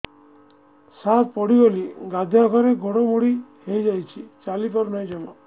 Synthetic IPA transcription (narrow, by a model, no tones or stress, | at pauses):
sat̪pɔɽiɡoliɡad̪ʱakʰɔɾeɡʱɔɽomoɽihejd͡ʒajt͡ʃʰit͡ʃalipɔɾnɔj̃d͡ʒɔmɔ